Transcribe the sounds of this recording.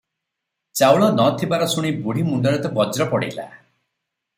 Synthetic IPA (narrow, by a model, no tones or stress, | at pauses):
t͡ʃawɭɔnɔt̪ʰibaɾɔsuɽ̃ibuɽimuɳɖɔɾɔt̪ɔbɔd͡ʒɾɔpɔɽḭla̰